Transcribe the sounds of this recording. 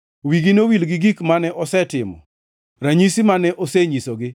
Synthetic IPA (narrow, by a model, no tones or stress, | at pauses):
wiɡinowilɡɪɡikmanɛʔɔsɛtɪmɔ̰ | ɾaɲisimanɛʔɔsɛɲisɔɡɪ